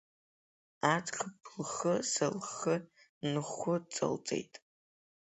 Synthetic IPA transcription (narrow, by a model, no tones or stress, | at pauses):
at͡sʰqʰəpʰlχəsɐlχə | nɨχʊt͡sʼɐ̰lt͡sʼe̞̰jtʼ